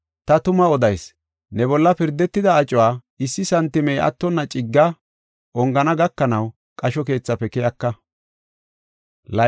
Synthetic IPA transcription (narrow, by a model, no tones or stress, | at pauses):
t̪ɐt̪ʊmɐɔd̪ɐjs | nɛbɔlːɐpɪɾd̪ːɛt̪ːɪd̪ɐːt͡ʃʼːʊwaː | ɪsːɪsɐnt̪ːɪmɛjɐ̰t̪ːɔnːɐt͡ʃʼɪɡːɐ | ʔɔŋɡɐnɐɡɐkːɐnɐw | kʼɐʃɔke̞ːt͡sːɐpːɛkɪjɐkːɐ | lɐ